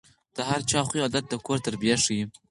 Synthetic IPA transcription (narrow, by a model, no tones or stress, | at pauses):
d̪̥əhaɾt͡ʃɑχiɑd̪at̪̚d̪əkoɾt̪əɾbjaʂiji